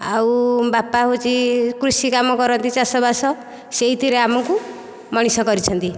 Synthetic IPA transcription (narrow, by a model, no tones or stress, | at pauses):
awubapaɦot͡ʃikɾusikamɔkɔɾɔnt̪it͡ʃasɔbasɔ | seɦit̪iɾeamɔŋku | mɔɽ̃isɔkɔɾit͡ʃʰɔnt̪i